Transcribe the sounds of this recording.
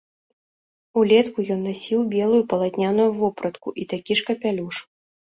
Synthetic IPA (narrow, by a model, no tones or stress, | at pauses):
ulʲɛt̪kujɔnːasʲiwbʲɛlˠujupɐlˠat̪ʲnʲanujuvɔpɾɐt̪kuʔit̪akʲiʂkɐpʲalʲuʂ